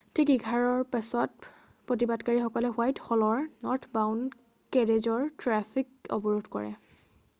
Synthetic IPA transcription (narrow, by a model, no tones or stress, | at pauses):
tʰikiɡʱaɹɔɹpasɔt̚ | pɹotibadkaɹixɔkɔlɛxwajtxɔlɔɹnɔɹtʰbawn | kɛɹezɔɹtɹafʰikɔ̰bɔɹodkɔ̰ɹɛ̰